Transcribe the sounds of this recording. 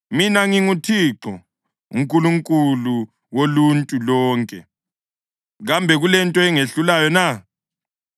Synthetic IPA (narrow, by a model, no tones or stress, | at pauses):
minaŋiŋutʰiǁɔ̰ | uŋkʼuluŋkʼulu | woluntʼulɔːŋkʼɛ̰ | ɣambʱɛɣulɛntʼɔɛŋeɬulajɔna